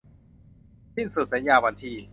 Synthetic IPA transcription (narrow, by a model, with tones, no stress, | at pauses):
si˥˩nsu˨˩sa˩˦njaː˧wa˧nt̪ʰiː˧